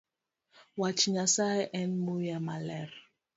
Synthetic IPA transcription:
wat͡ʃiɲasaɛʔɛnmujamalɛɾ

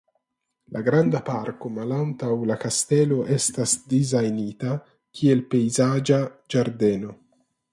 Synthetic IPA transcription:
laɡɾandapaɾko̞malantawlakaste̞lo̞ʔe̞stasdizajnita | kʰie̞lpe̞jzad͡ʒad͡ʒaɾde̞no̞

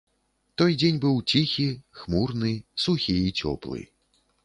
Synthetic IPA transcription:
t̪ɔjd͡zʲenʲbɨwt͡sʲixʲixmurnɨsuxʲiit͡sʲɔ̰plˠɨ̰

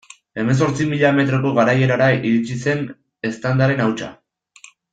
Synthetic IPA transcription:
e̞me̞ns̬o̞ɾt͡simiʎame̞t̪ɾo̞ko̞ɣaɾaje̞ɾaɾaiɾit͡ʃise̞n | e̞st̪and̪aɾe̞nawt͡ʃa̰

